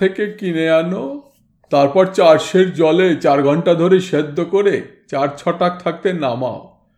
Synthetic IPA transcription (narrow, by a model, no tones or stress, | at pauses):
ekekineano | t̪aɾpɔɾt͡ɕaɾʃeɾd͡ʑɔlet͡ɕaɾɡʱɔɳʈad̪ʱoɾeʃed̪ːokoɾet͡ɕaɾt͡ɕʰɔʈak̚t̪ʰak̚t̪enama̰o